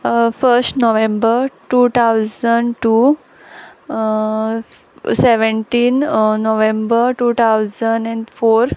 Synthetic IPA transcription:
fəɾsʈnoʋẽmbəɾʈuːt̪ʰawzə̃ɳɖʈu | seʋə̃ɳʈiːnnoʋẽmbəɾʈuːt̪ʰaʊzəɳɖɛ̃ɳɖfoːɾ

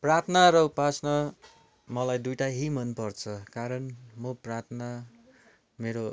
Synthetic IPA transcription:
prat̪ʰnaɾʌupasnʌ | mʌlajd̪ujʈaɦimʌnpʌrt͡sʰʌkaɾʌnmoprat̪ʰna | meɾo

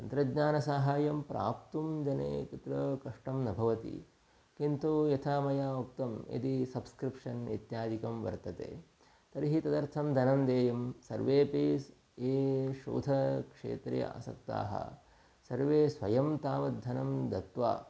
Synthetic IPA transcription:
t̪ɐnt̪ɾɐɡɲaːnɐsaːɦaːjɐmpɾa̰ːp̚t̪umd͡ʒɐnḛːkit̪ɾɐkɐʂʈɐmnɐbʱɐʋɐt̪ḭ | kint̪ujɐt̪ʰaːmɐjaːukt̪ɐmḛd̪isɐbskɾipʂɐnḭt̪jaːd̪ikɐmʋɐ̰ɾt̪ɐt̪ḛː | t̪ɐɾiɦit̪ɐd̪ɐɾt̪ʰɐmd̪ʱɐnɐmd̪eːjɐmsɐ̰ɾʋeːpiːs | eːʃo̰ːd̪ʱɐkʂḛːt̪ɾɐ̰j̰a̰ːsɐ̰k̚t̪a̰ːɦɐ̰ | sɐɾʋeːsʋɐjɐmt̪aːʋɐt̪̚d̪ʱɐnɐmd̪ɐt̪ʋa̰ː

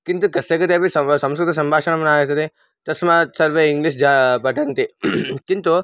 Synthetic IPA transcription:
kint̪ukɐsekɐt̪ebʱissɐmskɾɪt̪ɐsɐmbʱaːʃɐɳ̃ɐmɐnaːjet̪ɐt̪e | t̪ɐsmãsɐɾʋeiŋɡliʃ̬d͡ʒabɐʈʰɐnt̪ikint̪u

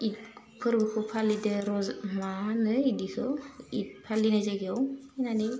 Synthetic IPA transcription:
it̚ | pʰɯɾbɯkʰɯpʰalideɾɔzmanɯidikʰɯit̚pʰalinazaɡawinani

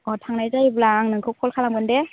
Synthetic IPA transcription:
ɔtʰaŋnajzajblaŋnɯŋkʰɯwkʰɔlkʰalaŋɡɯndɛ

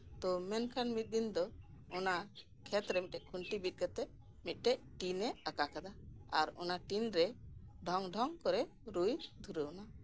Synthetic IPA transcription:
t̪ɔmɛnkʰanmit̪̚d̪ind̪ɔɔna | kʰɛt̪ɾɛmit̪ɛʔkʰuɳʈibit̪̚ˀkat̪ɛ | mit̪̚ˀʈɛʔ | ʈinɛəkakad̪aaɾɔ̰naʈinɾɛɖʱɔŋɖʱɔŋkɔɾɛ | ɾujd̪ʱuɾəuna

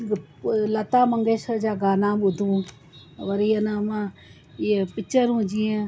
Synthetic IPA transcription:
lɐt̪aːmɐŋɡeːʃəɾd͡ʒaːɡaːnãːɓʊd̪ʱũː | ʋɐɾiːənamãː | iepɪt͡ʃəɾũːd͡ʒiẽ

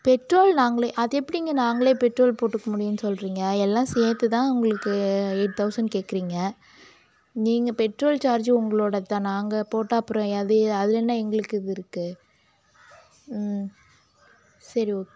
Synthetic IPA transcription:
pɛʈɾoːlnaːŋɡɐɭeːʔɐðɛpːɐɽiŋɡɐnaːŋɡɐɭeːpɛʈɾoːlpoːʈːɯkːɐmʊɽɪjɯnːɯsɔlɾiːŋɡɐɛlːãːsɛːt̪ːɯt̪ãːʊŋɡɐɭɯkːɯeːʈ̚t̪ʰɐʊsɐnɖkeːkɪɾiːŋɡɐ | niːŋɡɐpɛʈɾoːlt͡ʃaːɾd͡ʒʊŋɡɐɭoːɽɐt̪ːãːnaːŋɡɐpoːʈːaːɐpːɯɾõɐðɯɐðɯlɛnːaːɛŋɡɐɭɯkːɯɪðɯɪɾɯkːɯ | sɐɾiokː

